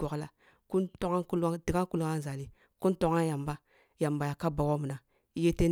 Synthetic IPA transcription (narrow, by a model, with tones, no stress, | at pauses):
o˨kla˦ | ku˦nto˦ŋa˦ku˦ldi˨ka˦ku˦la˦n˦za˨li˦ | ku˦nto˦ŋa˦nja˨mba˦ | ja˨mba˨ja˨ka˦ba˨wo˦mu˨na˨˦ | je˦te˦